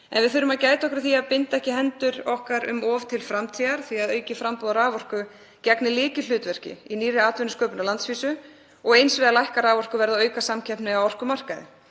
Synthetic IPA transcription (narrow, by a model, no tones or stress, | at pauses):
ɛ̰nvɪðθʏːɾʏmaðcaːjt̪aɔhkɾθiaðpɪnt̪aɛhcɪɦɛnt̪ʏɾɔhkaɾʏ̰mɔvt̪ʰɪlfɾamt̪ʰiːðaɾ̥θiaðœːɥcɪfɾampɔðaɾaːvɔr̥kʏ | cɛknɪlɪːcɪlʏːt̪vɛr̥cɪ̰iniːrɪaːt̪vʏnʏskœːpʏnalant̪sviːsʏ | ɔɣejnsvɛːðalajhkaɾaːvɔr̥kʏvɛɾðaœːɥkasamcʰɛhpnɪawɔr̥kʏmar̥kaðɪ̰